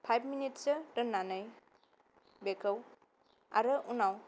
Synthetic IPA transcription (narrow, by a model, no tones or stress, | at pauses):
pʰajb̚ʰminit̚sɯɾənːanɯj | bekʰəw | a̰ɾɯʔunaw